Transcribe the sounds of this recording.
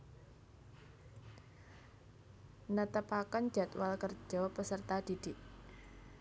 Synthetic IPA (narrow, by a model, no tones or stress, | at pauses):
nət̪əpakən̥ʒ̥at̪walkər̥ʒ̥ɔ̤pəsərt̪ad̪̥i̤d̪̥iʔ